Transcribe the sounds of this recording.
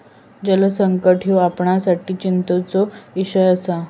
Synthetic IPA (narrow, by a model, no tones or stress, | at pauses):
d͡ʑələsəŋkəʈʰijuapɳasaʈiːt͡ɕint̪ət͡sɔiɕəjəsa